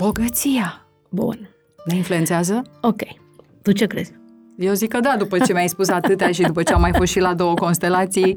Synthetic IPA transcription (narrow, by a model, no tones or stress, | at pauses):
b̥o̞ɡət̪sija | bṵn | neinflue̞nt̪eazəokʲej | t̪ut͡ʃekɾḛzʲ | jeozikːəd̪ad̪upət͡ʃe̞mʲajspusat̪ɨt̪eaʃid̪upət͡ʃeamajfo̞st̪ʃilad̪o̞wəko̞nst̪e̞lat̪sij